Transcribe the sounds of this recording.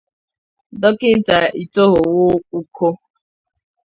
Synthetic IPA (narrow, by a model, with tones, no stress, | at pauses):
dɔ˦kɪ˦n̩˦ta˨ʔi˨to˦ɦʊ˨wʊ˦u˦kʰo˦